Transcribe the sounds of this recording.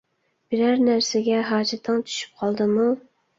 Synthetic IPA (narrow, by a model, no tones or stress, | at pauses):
b̥ɪɾæɾnæɾsɪɡʲɛɦɑːd͡ʒɛt̪ʰːɨŋt͡ʃ̪ʰy̥ʃy̥p̚qʰɑlˠd̪ɨmu